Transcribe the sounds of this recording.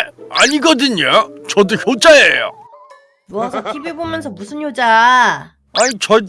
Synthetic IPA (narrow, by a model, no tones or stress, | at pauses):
aɲiɡʌdɯɲat͡ɕʌdoçjod͡ʑaejo̰ | mʌsʰʌkibebomjʌns̬ʰʌmusʰɯnjod͡ʑa | aɲit͡ɕʌ